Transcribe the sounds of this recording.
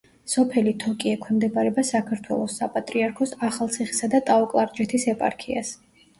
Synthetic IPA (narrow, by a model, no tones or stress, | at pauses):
sɔpʰɛlit̪ʰɔkʼiɛkʰwɛmd̪ɛbʼaɾɛbasakʰaɾt̪ʰwɛ̰lˠɔsːapʼat̪ʼɾiaɾkʰɔsaχalˠt̪sʰiχi̥sad̪at̪ʼaɔkʼlˠaɾd͡ʒɛt̪ʰisɛpʼa̰ɾkʰia̰s